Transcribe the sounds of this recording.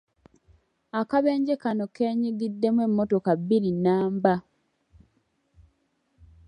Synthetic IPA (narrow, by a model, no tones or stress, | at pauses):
akaβe̞ːɲɟekano̞keːɲiɡidːe̞mwe̞mːotokaβiɾinaːmba